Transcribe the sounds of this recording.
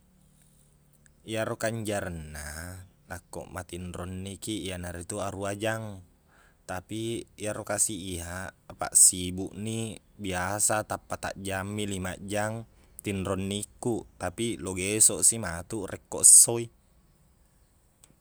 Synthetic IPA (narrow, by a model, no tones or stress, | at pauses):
ijaɾokaɲd͡ʒaɾənːa | lakːo̰ʔmat̪inɾonːikiijanaɾit̪uaɾuad͡ʒaŋ | t̪apiːjaɾokasiːɦapa̰ʔsibuʔni | biasat̪apːat̪a̰ʔd͡ʒamːilimaʔd͡ʒaŋt̪inɾonːikːut̪apiloɡesoʔsimat̪uʔrɛkːoʔəsːoi